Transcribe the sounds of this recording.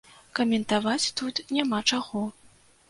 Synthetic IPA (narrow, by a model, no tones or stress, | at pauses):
kɐmʲɛnt̪avat͡sʲt̪ut̪nʲamat͡ʂaɣɔ